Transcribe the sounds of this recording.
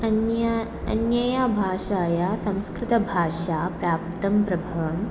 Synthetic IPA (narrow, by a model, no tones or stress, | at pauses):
ɐj | ɐnjɐjabʱaːʂaːjasɐ̃w̃skɾɪt̪ɐbʱaːʂaːpɾaːp̚t̪ɐmpɾɐbʱɐʋɐm